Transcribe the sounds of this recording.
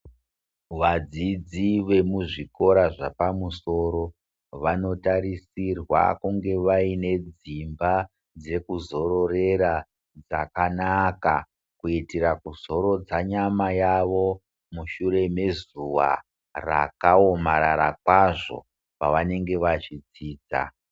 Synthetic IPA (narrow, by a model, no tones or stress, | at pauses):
ʋad͡zid͡ziʋe̞muʐiko̞ɾaʐapamuso̞ɾo̞ | ʋano̞taɾisirwa̰kuŋɡe̞ʋaine̞d͡zimba | d͡ze̞kuzo̞ɾo̞re̞ɾa | d͡za̰kanaka | kuitiɾakuzo̞ɾo̞d͡zaɲamajaʋo̞ | muʃure̞me̞zuʋa̰ | ra̰kaomaɾaɾa̰kwaʐo̞̰ | paʋane̞ŋɡe̞ʋat͡ʃid͡ziːd͡za̰